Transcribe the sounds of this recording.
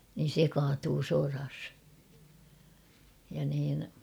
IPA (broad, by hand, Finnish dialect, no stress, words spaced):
nin̞ se kɑːtuː sorɑs jɑ niːn